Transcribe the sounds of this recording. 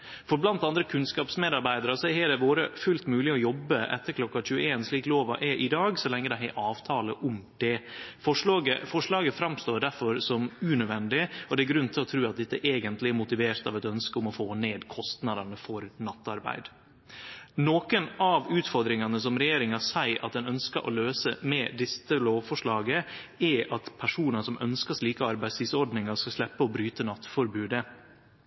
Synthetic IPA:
fɔɾblɑnt̪ɑnd̪ɾəkʰʉnskɑːpsmeːd̪ɑɾbæɪd̪ɑɾəsɔhɛːɖ̪ɛʋoːɾəfʉlt̪mʉːlɪɔjɔbːəʔɛ̰t̪ːəɾkʰlɔkːɑc͡çʉːəeːnsliːkloːʋɑ̰ʔɛʔɪd̪ɑːɡsɔlɛŋːəd̪ɛɦɛ̰ʔɑːʋt̪ʰɑːləʔʊmd̪̥ɛfɔʂɑːɡəfɔʂɭɑːɡəfɾɑmst̪oːɖæɾfɔɾsɔmʉnød̪ʋɛnd̪ɪɔd̪ɛæɾɡɾʉnt̪ʰɪlɔt̪ʰɾʉːɑt̪̚d̪ɛt̪ːəʔeːɡənt̪lɪæɾmʊt̪ɪʋeːɾt̪ɑ̰ʋɛt̪œnskəʊmɔfoːneːd̪kʰɔst̪nɑd̪ɑnəfɔɾnɑt̪ːɑɾbæ̰ɪd̪ | noːkənɑʋʉːt̪fɔɾd̪ɾɪŋɑnəs̬ɔmɾɛjeːɾɪŋɑsæɪʔɑ̰t̪̚d̪ɛnœnskəɾʔɔ̰løːsəmɛd̪ɪsəloːʋfɔʂɭɑːɡəɛʔɑt̪pʰæʂuːnəsɔmʔœ̰nskəʂɭiːkəɑɾbæɪsʰɪsɔɖnɪŋɑʂkɑʂlɛpːəɔbɾyːt̪ənɑt̪ːfɔɾbʉːd̪ə

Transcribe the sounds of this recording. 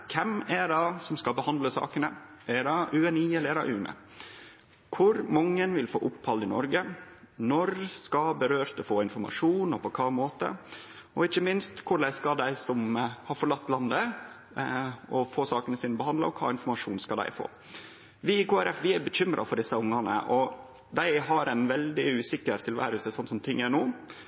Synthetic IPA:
kʰɛmɛɖɑsɔmskɑbəhɑnd̪ləsɑ̰ːkənə | ɛɖɑʉɛniːɛlɛɾɑ̰ʔʉːnə̰ | kʰʊɾmɑŋːənʋɪlfo̰ːʔʊphɑld̪ɪnɔɾɡə | nɔɾskɑbəɾøːɾt̪ɛfoːɪnfɔɾmɑ̰ʂuːnɔpʰɔkʰɑːmoːt̪ə̰ɔɪçːəmɪnst̪kʰʊɖæɪskɑd̪æɪsɔmhɑɾfɔɭɑt̪ːlɑnd̪ə | ɔfoːsɑːkənəsiːnəbəhɑnd̪lɑ̰ɔkʰɑ̰ːɪnfɔɾmɑʂuːnskɑld̪æ̰ɪfo̰ː | ʋɪkʰoːæɾʔɛfʋɪæɾbəçʏmɾʔɑ̰fɔɖɪsəʊŋːɑnə̰ʔɔ | d̪æɪɦɑɾʔɛnʋɛld̪ɪʉːsɪkəɾt̪ʰɪlʋæ̰ːɾəlsəsɔnːsɔmt̪ʰɪŋːənuː

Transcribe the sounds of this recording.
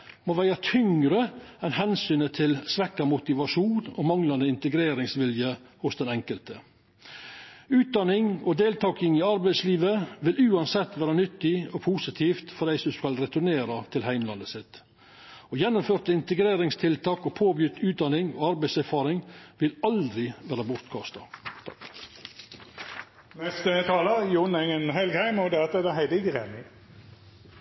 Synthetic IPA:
moːʋæɪɑt̪ʰʏŋɾə | ɛnhɛnsyːnət̪ʰɪlsʋɛkːɑmʊt̪ɪʋɑʂuːnɔmɑŋlɑnd̪əɪnt̪əɡɾeːɾɪŋsʋɪljə | hʊsd̪ɛnɛŋkəlt̪ə | ʉːt̪̚d̪ɑnɪŋɔd̪eːlt̪ʰɑːkɪŋɪɑɾbæɪsliːʋəʋɪlʉːɑnsɛt̪ːʋæːɾɑnʏt̪ːɪɔpʰusɪt̪ʰiːft̪fɔd̪æɪsd̪ʉskɑlɾɛt̪ʊneːɾɑt̪ʰɪlɦæɪmlɑnəsɪt̪ | ɔjɛnːʊmføːɾt̪əɪnt̪əɡɾeːɾɪŋst̪ʰɪlt̪ʰɑːkɔpʰoːbjyːt̪ʉːt̪̚d̪ɑnɪŋo̰ːɑɾbæɪsæɾfɑːɾɪŋʋɪlɑld̪ɾɪʋæːɾɑbʊɾt̪kʰɑst̪ɑ | nɛst̪ət̪ʰɑːləjʊnɛŋənɦɛlɡhæɪmɔd̪ɛːɑt̪ɛd̪æhæɪd̪əɪɡəʁeːmɪ

